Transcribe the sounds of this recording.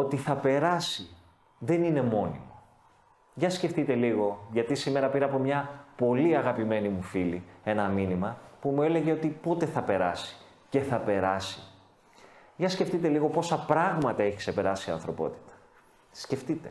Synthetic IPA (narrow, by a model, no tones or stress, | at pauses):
o̞t̪iθɐpe̞ɾɐsi | ðe̞nine̞mo̞nḭmo̞ | ʝɐsce̞ft̪it̪e̞liɣo̞ʝɐt̪isime̞ɾɐpiɾɐpo̞mɲɐpo̞liɐɣɐpime̞nimufilie̞nɐminimɐpumue̞le̞ʝe̞o̞t̪ipot̪e̞θɐpe̞ɾɐ̰si̥ | ce̞θɐpe̞ɾɐsi̥ | ʝɐsce̞ft̪it̪e̞liɣo̞po̞sɐpɾɐɣmɐt̪ɐe̞çi̥kse̞pe̞ɾɐsiɐ̰nθɾo̞po̞̰t̪i̥t̪ɐ̥ | sce̞ft̪it̪e̞̥